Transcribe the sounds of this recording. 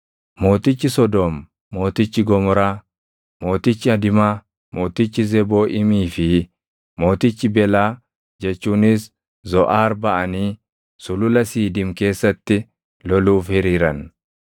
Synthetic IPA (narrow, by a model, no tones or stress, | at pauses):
mo̞ːt̪ɪt͡ʃːɪsɔd̪ɔmː | o̞ːt̪ɪt͡ʃːɪɡɔmɔɾaː | mo̞ːt̪ɪt͡ʃːɪɐd̪ɪmaː | mo̞ːt̪ɪt͡ʃːɪzɛbo̞ːʔɪmiːfɪ | mo̞ːt̪ɪt͡ʃːɪbɛlaː | d͡ʒɛt͡ʃːuːnɪs | zɔʔaːɾbɐʔɐniː | sʊlʊlɐsiːd̪ɪmke̞ːsːɐt̪ːɪ | lɔluːfhɛɾiːɾɐn